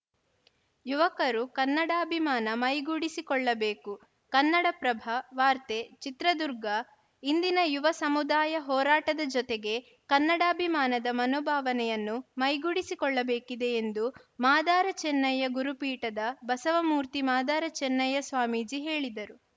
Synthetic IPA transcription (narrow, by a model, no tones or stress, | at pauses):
juʋɐkɐɾukɐnːɐɽaːɐbʱimaːnɐmɐjɡuːɽisikɔɭːɐbeːku | kɐnːɐɽɐpɾɐbʱɐʋaːɾt̪et͡ʃit̪ɾɐd̪uɾɡɐ | ind̪inɐjuʋɐsɐmud̪aːjɐɦɔːɾaːʈɐd̪ɐd͡ʒɔt̪eɡe̞ | kɐnːɐɽaːbʱimaːnɐd̪ɐmɐnɔːbʱaːʋɐnɛjɐnːumɐjɡuːɽisikɔɭːɐbeːkid̪e̞ːnd̪umaːd̪aːɾɐt͡ʃɛnːɐjːɐɡuɾupiːʈɐd̪ɐbɐsɐʋɐmuːɾt̪imaːd̪aːɾɐt͡ʃɛnːɐjːɐsʋaːmid͡ʒiɦe̞ːɭid̪ɐɾu